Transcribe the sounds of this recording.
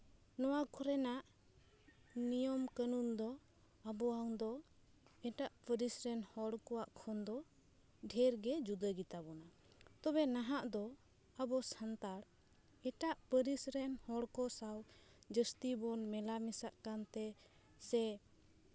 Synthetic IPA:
nɔwakʰɔɾɛnaʔ | nijɔmkənund̪ɔ | abɔaŋd̪ɔ | ɛʈaʔpəɾisɾɛnhɔɽkɔwaʔkʰɔnd̪ɔ | ɖʱɛɾɡɛd͡ʒud̪əɡit̪abɔna | t̪ɔbɛnaɦaʔd̪ɔ | abɔsant̪aɾ | ɛʈaʔpəɾisɾɛnhɔɽkɔsaw | d͡ʒəst̪ibɔnmɛlamisaʔkant̪ɛ | sɛ

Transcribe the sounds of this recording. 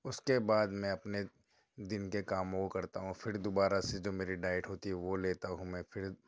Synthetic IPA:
ʊskebaːd̪mɛ̃ɐpne | d̪ɪnkekaːmoɡkɐɾt̪aɦũfʰɪɾd̪oːbaːɾased͡ʒoːmeːɾiɖaːɪʈɦoːt̪iɦɛʋoleːt̪aɦũmɛ̃fʰɪɾ

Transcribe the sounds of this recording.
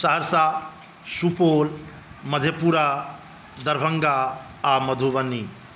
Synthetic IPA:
saɦɾsa | supoːl | mɐd̪ʱjɐpuɾa | d̪ɐɾbʱɐŋɡa | amɐd̪ʱoʋɐni

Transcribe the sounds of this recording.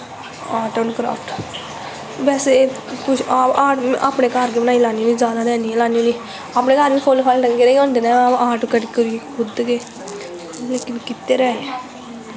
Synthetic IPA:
aːʈoːnkɾa̰ːfʈ | bɛːse | pʊt͡ʃʰaːpaːʈʔaːpneːkaɾkebənaːilaːnioːniːd͡ʒjaːd̪aːd̪ɛːniːẽlaːniõːniː | aːpneːkaɾʋĩːpʰoːlːpʰaːlɖəŋɡeːɾɛːiõːnd̪eːnãːaaːʈkəʈikəɾikʰʊd̪keː | leːkɪnkɪt̪ːeːɾɛːe

